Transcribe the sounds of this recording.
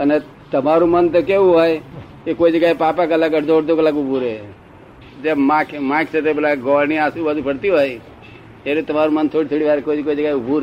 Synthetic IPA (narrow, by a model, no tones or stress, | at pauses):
əne | t̪əmaɾumənt̪əkeuɦɔe | kekoːid͡ʒəɡaːepaːpakləkəʈd̪oːɽd̪okəlakʊbuɾe | d͡ʒemakʰmãːkʰset̪ebelaɡɔːɾniaːsubad̪upʰəɽt̪ioj | eɾet̪əmaɾumənt̪ʰoːɽit̪ʰoɽiʋaɾkoikoːid͡ʒəɡaeʊbuɾ